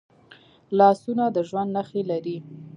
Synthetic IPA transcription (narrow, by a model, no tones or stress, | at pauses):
lɑsunad̪əʒwand̪naxelaɾi